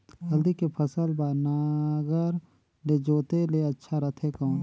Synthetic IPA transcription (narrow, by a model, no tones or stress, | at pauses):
ɦəld̪ikepʰəsəlbaːnaːɡəɾ | led͡ʒoːt̪eleɐtːʃʰaɾət̪ʰekɔõ